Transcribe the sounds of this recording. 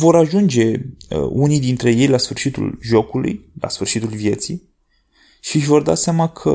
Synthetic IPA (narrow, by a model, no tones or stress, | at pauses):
vo̞ɾaʒund͡ʒe̞unijd̪int̪ɾe̞je̞jlasfɨrʃit̪ṵlʒo̞kulṵjla̰sfɨrʃit̪ulvje̞t̪si | ʃiʃvo̞rd̪a̰seamakʰə